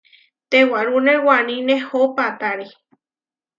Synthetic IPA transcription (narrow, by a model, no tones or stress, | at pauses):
t̪ewaɾunewanĩnẽhopat̪aɾe